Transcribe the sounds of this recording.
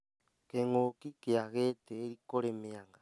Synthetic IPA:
keŋokikeaɣeteːɾikoɾemeaŋɡa

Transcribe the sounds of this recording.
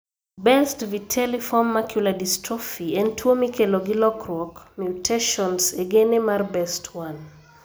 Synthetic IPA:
bɛstvitʰɛlifɔmːakʰjuladistɾɔfiɛntʰwomikeloɡɪlɔkɾwɔkmjutʰeʃɔnseɡenemarbɛstʰwan

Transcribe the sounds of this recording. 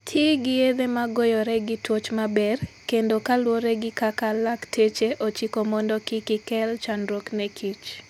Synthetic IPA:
tʰeɡɪed̪emaɡojɔɾɛɡɪtwot͡ʃmabɛrkendokalwoɾɛɡɪkakalaktʰet͡ʃeʔot͡ʃikomɔndɔkɪkɪkɛlt͡ʃanɾoknɛkʰit͡ʃ

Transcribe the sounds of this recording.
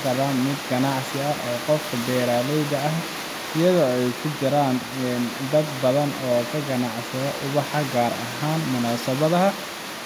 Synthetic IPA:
kʰɐɾaːnmɪd̪ɡɐnɑʕsɪɐʔɔːqɔfkʰɐb̪ɛːɾaːlɛjðɐɐh | ɪjɐðɔːɛjkʰʊt͡ʃɐɾaːn | ɛnd̪ɐd̪bɐðɐnɔːkʰɐɡɐnɑʕsɐðɐʔʊβɑħɑɡaːɾɐ̰ɦaːnmʊnaːsɐβɐðɐɦɐ

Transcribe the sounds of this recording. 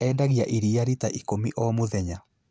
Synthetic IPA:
ɛːndaɣjaʔiɾiaɾitaʔikomiʔɔmoðɛɲa

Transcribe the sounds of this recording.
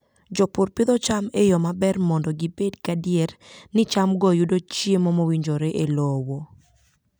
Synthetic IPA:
d͡ʒɔpʊɾpɪdðɔt͡ʃamejɔmabɛrmɔndɔɡibedkadiernɪt͡ʃamɡɔjudot͡ʃjemomowiɲd͡ʒoɾeʔelowo

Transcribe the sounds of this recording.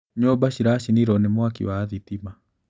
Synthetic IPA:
ɲɔbaʃiɾaʃiniɾɔnemwakḭwaːðitima

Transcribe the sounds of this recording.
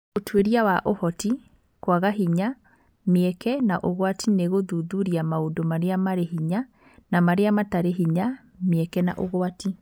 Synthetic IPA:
otʰweɾijawaʔohɔti | kwaɣaɦiɲa | meɛkɛnaʔoɣwatineɣoðuðuɾiamaodomaɾeamaɾeɦiɲa | namaɾeamataɾeɦiɲa | meɛkɛna̰ʔoɣoati

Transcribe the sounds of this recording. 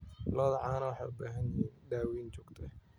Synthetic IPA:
lɔːðɐʕɑːnɐwɑħɑjʊbaːɦɐnjɪɦiːnɖ̪aːwiːnt͡ʃɔːɡt̪ʰɛ

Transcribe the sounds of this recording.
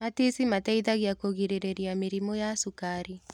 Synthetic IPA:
matisimataiðaɣjakoɣiɾɛɾɛɾjamiɾimɔjasukaɾi

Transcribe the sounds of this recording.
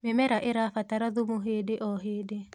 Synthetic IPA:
memɛɾaʔeɾafataɾaðumoɦeːdeʔɔɦeːde

